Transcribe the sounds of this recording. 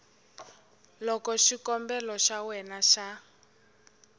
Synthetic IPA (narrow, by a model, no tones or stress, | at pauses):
lɔkɔʃikɔmbɛlɔʃawɛnaʃa